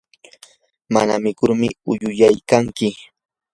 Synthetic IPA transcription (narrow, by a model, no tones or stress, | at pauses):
ma̰na̰mɪkʊɾmɪʊjʊjajkaŋkɪ